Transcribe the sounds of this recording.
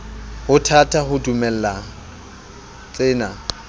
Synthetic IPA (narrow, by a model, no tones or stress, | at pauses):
hʊtʰatʰahʊdumɛl̩la | t͡ɬʼɪːna